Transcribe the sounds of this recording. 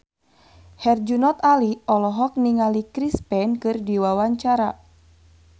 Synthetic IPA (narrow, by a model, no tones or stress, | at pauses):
hɛrd͡ʒunɔt̪aliɔlɔɦɔk̚niŋalikɾispɛnkɨrdiwawaɲt͡ʃaɾa